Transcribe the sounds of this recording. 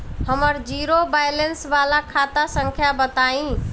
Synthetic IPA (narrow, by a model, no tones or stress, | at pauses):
həməɾd͡ʒiːɾobaːjlensʋaːlakʰaːt̪asə̃ŋkʰjabət̪aːĩː